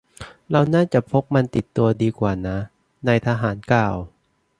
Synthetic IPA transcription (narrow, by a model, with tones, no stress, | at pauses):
ɾa˧wnaː˥˩t͡ɕa˨˩ʔpʰo˦˥p̚ma˧nt̪i˨˩t̪ːu˧ɐdiː˧kwaː˨˩na˦˥ | na˧jt̪ʰaː˧ɦaː˩˦nkaː˨˩w